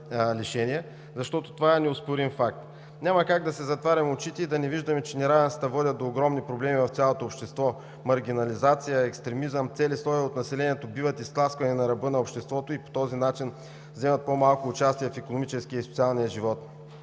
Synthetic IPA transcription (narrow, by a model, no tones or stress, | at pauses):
liʃɛniɛ | zɐʃt̪ɔt̪o̥t̪ovaɛnɛʊspoɾinfak̚t̪ | nʲamɐkaɡd̪ɐsɛzɐt̪vaɾʲɐmot͡ʃit̪ɛid̪ɐnɛviʒd̪ɐmɛt͡ʃɛnɛɾavɛnsi̥t̪ɐvɔd̪ʲət̪̚d̪oːɡɾɔmnipɾoblɛmivɐft̪sʲalˠot̪oːpʃt̪ɛst̪vɔ | mɐɾɡ̟ʲinɐlizat̪sijəɛkst̪ɾɛmizəmt̪sɛlislˠɔiot̪nɐsɛlɛniɛt̪obivət̪ist̪k̪lˠaskvɐnɛnɐɾɐbɤnɐopʃt̪ɛst̪vɔt̪oipo̥t̪ɔzinat͡ʃin | vzɛmət̪̚pomalˠkoːt͡ʃast̪ijɛfɛkonomit͡ʃɛskijəisʊt̪sialˠnijəʒivɔt̪